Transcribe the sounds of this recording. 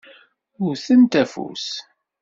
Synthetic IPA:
ʊɾθənt̪æfṵs

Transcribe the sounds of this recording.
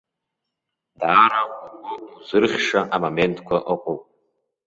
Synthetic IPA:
daːɾauɡʊuzɨrχʲʂaʔamome̞ntʰʼkʷʰaʔɨqʷʼopʼ

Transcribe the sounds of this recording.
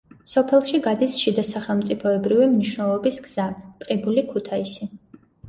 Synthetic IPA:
sɔpʰɛlˠʃiɡad̪isʃid̪asaχɛlˠmt̪sʼipʰɔɛbɾivimniʃwnɛlˠɔbisɡz̥at̪ʼqʼibulikʰut̪ʰaisi

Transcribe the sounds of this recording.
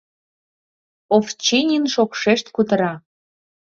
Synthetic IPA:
oft͡ɕinʲinʃokʃeʃt̪kut̪əɾɑ

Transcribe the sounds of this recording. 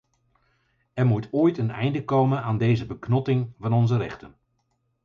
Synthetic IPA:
ɛrmutoːjtənɛ̰jndəkowmənaːndejzəbəknɔtɪŋvɑnɔnzəɾɛχtən

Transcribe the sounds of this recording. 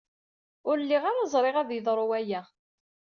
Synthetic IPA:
ʊɾlːiʁaɾazˤɾˤeʁæðjəðˤɾˤʊwæjæ

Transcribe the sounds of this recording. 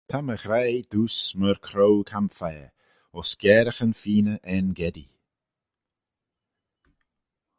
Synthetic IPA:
t̪ʰaməxɾajd̪uːsməɾkʰɾowkʰamfɛː | ɔsɡ̥ɛːɾəxənfiːnəʔɛnɡɛd̪ḭ

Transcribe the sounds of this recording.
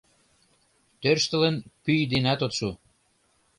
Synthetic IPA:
t̪ørʃt̪ə̆lə̆nkyjd̪enæt̪ot̪ʃu

